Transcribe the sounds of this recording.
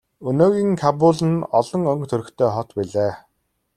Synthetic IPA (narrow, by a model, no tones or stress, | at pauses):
ɵnoːɣiːŋkʰapʊɮɘ̆nɔɮɞ̆ŋɵŋkt̪ʰɵɾɵ̆kt̪ʰeːχɔt̪piɮeː